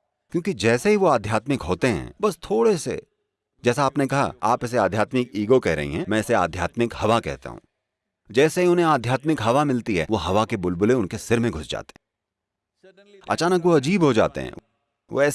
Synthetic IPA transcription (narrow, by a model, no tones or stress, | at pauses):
kjõːkid͡ʒɛːseɦiʋoaːd̪ʱjaːt̪mɪkɦoːt̪eɦɛ̰̃ːbɐst̪ʰoːɽesḛ | d͡ʒɛːsaːpnekɐɦa̰aːpɪs̬eaːd̪ʱjaːt̪mɪkiːɡokɛɦɾɐ̰ɦḭɦɛ̃ːmɛ̃ːɪsea̰ːd̪ʱjaːt̪mɪkhɐʋakɛ̰ɦt̪a̰ɦṵ̃ː | d͡ʒɛːseɦiʊnɦẽaːd̪ʱjaːt̪mɪkɦɐʋamɪlt̪iɦɛːʋoɦɐʋakebʊlbʊleʊnkesɪɾmẽɡʱʊsd͡ʒa̰ːt̪e̥ | ɐ̰t͡ʃaːnək̬ʋoɐd͡ʒiːbɦod͡ʒa̰ːt̪ḛɦɛ̰̃ | o̰ɛː